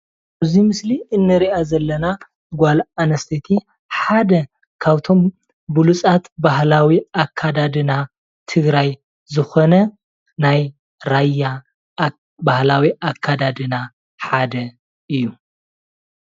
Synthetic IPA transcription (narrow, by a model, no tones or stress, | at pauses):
ʔɐzimɨsliʔɨnːɨɾiʔazɐlːɐna | ɡʷalanɐst̪ʰet̪ʰi | ħad̪ɐ | kʰaβt̪ʰo̞m | bulut͡sʼat̪bahlawiakʰːad̪ad̪ɨna | t̪ʰɨɡɾaj | zɨxo̞nɐ | naj | ɾajːa | bahlawiʔakʰːad̪ad̪ɨna | ħad̪ɐ | ɨjːu